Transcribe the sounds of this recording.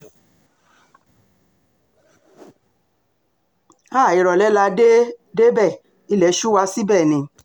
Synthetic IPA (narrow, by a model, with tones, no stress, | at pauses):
aː˦˨i˨ɾɔ˨lɛ˨˦la˧de˦de˦bɛ˦˨ | i˦lɛ˨˦ʃu˦wa˧si˦bɛ˦˨nĩ˨˧